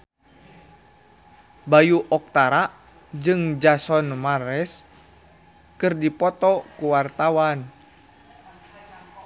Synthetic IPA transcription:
bajuʔɔk̚t̪aɾaʔ | d͡ʒɨŋd͡ʒasɔnmaɾɛs | kɨrdipɔt̪ɔkuwart̪awan

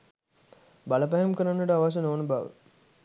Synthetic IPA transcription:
baləpæɦemkəɾanːəʈəaʋaʃ̬ənoːnəbaʋə̰

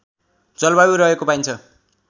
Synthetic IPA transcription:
d͡zʌlbabiɾʌɦekopaijnt͡sʰʌ

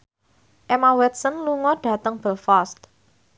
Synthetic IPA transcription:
ʔɛmawɛt̪̚sənluŋɔɖ̥ä̤t̪əŋb̥ə̤lfast̪

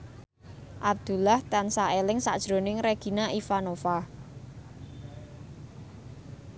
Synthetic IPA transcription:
ʔab̚d̪̥ṳlaht̪ansaelɪŋsa̰ʔd̥ʒ̥ɾo̤nɪŋɾeɡ̥i̤naʔifanofah

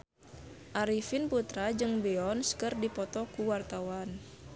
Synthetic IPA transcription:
ʔaɾifinput̪ɾad͡ʒɨŋbɛɔnskɨrdipɔt̪ɔkuwart̪awan

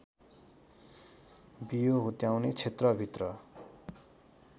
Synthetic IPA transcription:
bijoɦut̪jawnet͡sʰet̪rʌbʱit̪rʌ

